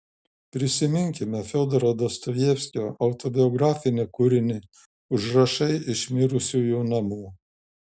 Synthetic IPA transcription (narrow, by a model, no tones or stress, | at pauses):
pʲɾʲɪsʲɪmʲɪŋʲkʲɪmʲɛfʲoːd̪ɔɾod̪ɔst̪ɔjjeːfʲsʲkʲoːʔɐʊt̪ɔbʲɪɔɡɾɑːfʲɪnʲekʊɾʲɪnʲɪ | ʊʒɾɐʃɐɪʔɪʃmʲɪɾʊsʲuːjuːnɐmuː